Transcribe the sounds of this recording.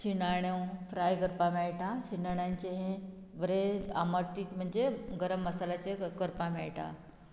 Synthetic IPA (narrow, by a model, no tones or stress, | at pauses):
ɕinaɽ̃jewfɾajɡəɾpameɭʈʰaɕinaɽjãɲt͡ɕeɦẽ | ʋəɾea̰məʈ̪iːkm̤əɳd͡ʑeɡəɾəmːəsalat͡ɕekəɾpameɭʈʰa̰